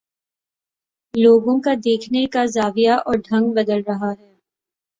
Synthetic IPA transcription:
loːɡõkad̪eːkʰnekazaːʋijaʔɔːɾɖʱɐ̃ŋɡ̚bɐd̪əlɾɐɦaɦɛː

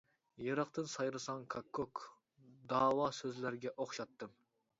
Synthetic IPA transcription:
jɑɾɑqt̪ɨnsɑjɾɨsɑŋkʰɑkʰːok | d̪ɑːwɑsøzlæɾɡʲɛʔoχʃɑt̪ːɨm

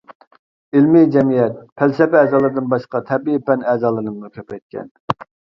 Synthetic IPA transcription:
ilmid͡ʒɛmijɛt̪̚pʰælsɛpɛɛːzɑːlˠɨɾɨd̪ɨnbɑʃqɑt̪ʰɛbiipʰɛnɛzɑːlˠɨɾnɨmnukʲʰøpɛt̪̚kʲɛ̰n

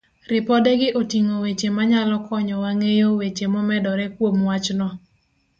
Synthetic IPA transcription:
ɾɪpɔdɛɡɪʔotiŋowet͡ʃemaɲalɔkʰɔɲɔwaŋejowet͡ʃemɔmɛdɔɾɛkwomwat͡ʃnɔ

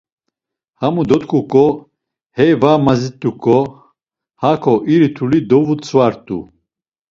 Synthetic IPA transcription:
hamud̪ɔt̪kʰukʼɔ | hɛjvamazit̪ʼːukʼɔ | hakʰɔʔiɾit̪ʰulid̪ɔvut͡sʰwaɾt̪ʼṵ

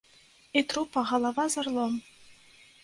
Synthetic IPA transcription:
et̪rupɑʁɑlˠɑvɑzɤ̆rlˠɤ̆m

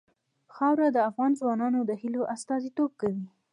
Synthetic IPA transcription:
xɑwɾad̪əafɣɑnzwɑnɑnod̪əhiloʔast̪ɑzit̪ob̚kawi

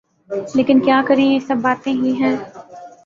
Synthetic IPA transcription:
leːkɪnkjaːkɐɾẽjesɐbːaːt̪ẽɦiɦɛ̃ː

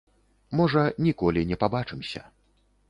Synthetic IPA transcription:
mɔʐɐnʲikɔlʲinʲɛpabat͡ʂɨmsʲɐ̰

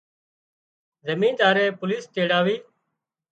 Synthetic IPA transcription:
zəmĩːnd̪aːɾeːpʊliːst̪eːɽaːʋiː

